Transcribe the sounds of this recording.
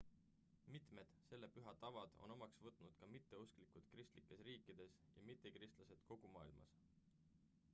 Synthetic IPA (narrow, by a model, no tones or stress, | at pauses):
mit̪ˑme̞d̪̥se̞lːe̞pyɦɑt̪ɑvɑd̪̥o̞̰no̞mɑksvɤt̪ːˑnud̪̥kɑmit̪ːe̞usklikud̪krist̪likːˑe̞sriːkːˑid̪̥e̞sjɑmit̪ːˑekrist̪lɑse̞d̪̥ko̞ɡ̥umɑːilmɑ̰s